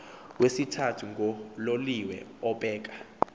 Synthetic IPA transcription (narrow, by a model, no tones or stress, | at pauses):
wesitʰatʰuŋʱɔloliwɛ̰ɔɓʼɛːk̬ḁ